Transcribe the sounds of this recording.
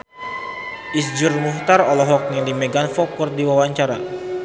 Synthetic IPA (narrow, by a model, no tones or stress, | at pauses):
ʔisd͡ʒurmuht̪arɔlɔɦɔk̚nɛŋdimɛɡanfɔkɔrdiwawaɲt͡ʃaɾa